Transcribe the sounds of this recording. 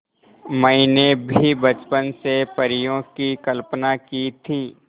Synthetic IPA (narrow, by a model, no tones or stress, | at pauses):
məinebʱibət͡ʃpənsepəɾijõkikəlpnakit̪ʰiː